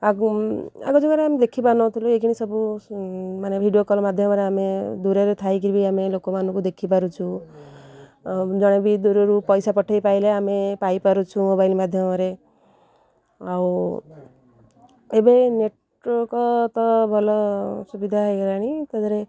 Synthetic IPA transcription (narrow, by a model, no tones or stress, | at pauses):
a | a̰ɡɔd͡ʒɔkaɾeamed̪ekʰipanɔt̪ʰilueɡiɽ̃isɔbu | manebʱiɖijokɔlɔmad̪ʱjɔmɔɾeamed̪uɾeɾet̪ʰajk̬ibiamelokɔmanũkud̪ekʰipaɾut͡ʃʰũ | d͡ʒɔɽ̃ebʱid̪uɾeɾupɔjsapɔʈʰejpaileamepajpaɾut͡ʃʰumobajlmad̪ʱjɔmɔɾe | aw | ebeneʈ | ɔkɔt̪ɔbʱɔlɔsubid̪ʱaeɡɾaɽ̃it̪ɔd̪ɔɾe